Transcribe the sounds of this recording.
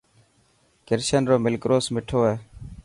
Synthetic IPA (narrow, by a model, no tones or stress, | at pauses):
kɪɾsənɾoːmɪlkɾoːsmɪʈʰoːɦeː